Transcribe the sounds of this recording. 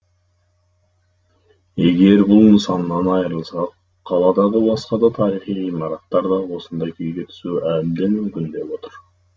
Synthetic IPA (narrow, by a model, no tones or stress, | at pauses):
e̞ɡʲe̞ɾbulˠməsɑnnɑnɑjɾɯlˠsɑq | qʰɑlˠɑd̪ɑʁəbɑsqɑd̪ɑt̪ʰɑɾiχijimɑɾɑt̪ːɑɾd̪ɑwo̞sund̪ɑjkʰøjɡe̞t̪ʰy̥suːæbd̪enmymkynd̪e̞po̞t̪ʊɾ